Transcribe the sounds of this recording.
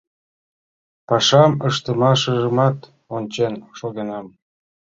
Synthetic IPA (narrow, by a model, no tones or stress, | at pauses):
pɑʃɑməʃt̪əmɑʃəʒəmɑt̪ | onʲt͡ɕenʃoɣenɑm